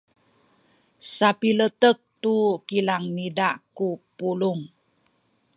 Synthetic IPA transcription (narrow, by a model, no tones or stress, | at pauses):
sapilət̪ək̚t̪ukilaŋnidaʔkupuluŋ